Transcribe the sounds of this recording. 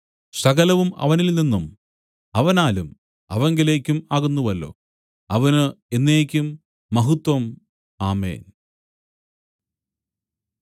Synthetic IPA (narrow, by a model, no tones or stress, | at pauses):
sɐɣɐlɐʋumɐ̰ʋɐnilninːum | ɐʋɐnaːlum | ɐʋɐŋɡile̞ːkʲːumaːɣunːuʋɐlːo̞̰ː | ɐʋɐnɨe̞nːeːkʲːumː | ɐɦut̪wɐm | aːmḛːn